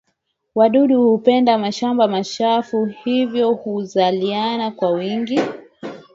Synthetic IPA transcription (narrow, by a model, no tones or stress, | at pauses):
waɗuɗuhupɛndamaʃambamaʃafuhivjɔhuzalianakwawiŋɡi